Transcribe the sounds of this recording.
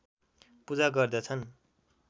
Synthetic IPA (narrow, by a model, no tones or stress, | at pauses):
pud͡zaɡʌrd̪ʌt͡sʰʌn